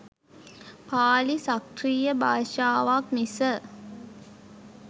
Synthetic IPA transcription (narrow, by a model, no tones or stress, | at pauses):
paːlisakriːjəbʱaːʂaːʋakmisə